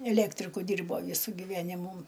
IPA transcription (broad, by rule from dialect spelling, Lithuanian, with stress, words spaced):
ɛˈlʲæːktʲrʲɪkʊ ˈdʲiːrboː ˈʋʲiːsʊ ɡʲɪˈʋʲæːnʲɪmuː